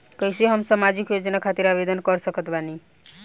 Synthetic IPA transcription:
kʌjseɦʌmsamad͡ʒikjod͡ʒɔnakʰat̪iɾabed̪ɔnkɔɾsʌkɔt̪bani

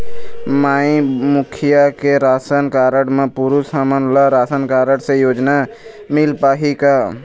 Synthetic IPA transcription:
maːĩmʊkʰɪjakeɾaːsənkaːɾəɽmẽpʊɾusəmənlaɾaːsənkaːɾəɽsejoːd͡ʒna | mɪlpaːɦika

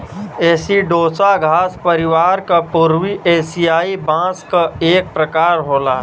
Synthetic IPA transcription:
eːsiɖoːsaɡʱaːspəɾɪʋaːɾkapuɾwiʔeːsijaːibãːskaeːk̚pɾəkaːɾɦoːlaː

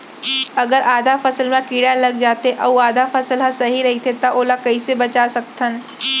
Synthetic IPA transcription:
ɐɡəɾʔaːd̪ʱafɐsəlmẽkiːɽalɐɡd͡ʒaːt̪eʔɐuaːd̪ʱafɐsəlɦãsɐɦiɾɐɦit̪ʰet̪ɐʔoːlakɐisebɐt͡ʃasɐk̚t̪ʰən

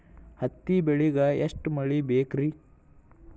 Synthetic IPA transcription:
hɐt̪ːibeɭiɡɐeʂʈmɐɭibeːkɾi

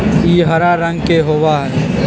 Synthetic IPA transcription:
iːɦɐɾaɾɐ̃ŋɡkeɦoːʋaɦɛː

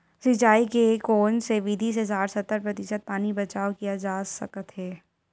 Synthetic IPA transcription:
sɪt͡ʃaːikekoːnseʋid̪ʱis̬esaːɾsɐt̪ːəɾpɾɐt̪ɪʃət̪̚paːnibɐt͡ʃaːkijad͡ʒaːsɐkət̪ɦɛː

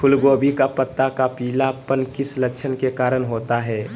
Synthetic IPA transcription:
kʰʊlɡoːbʱikapət̪ːakapiːlapənkɪsləkːʃʰənkekaːɾənɦoːt̪aɦɛː

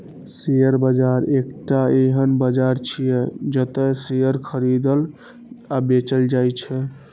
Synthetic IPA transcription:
sejəɾbəd͡ʒaɾekʈaeɦənbəd͡ʒaɾt͡ʃʰijɛd͡ʒət̪ɛsejəɾkʰəɾid̪əl | abet͡ʃəld͡ʒajt͡ʃʰɛ

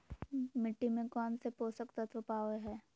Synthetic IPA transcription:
mɪʈːimẽkɔːnsepoːsəkt̪ət̪ʋəpaːʋeɦɛː

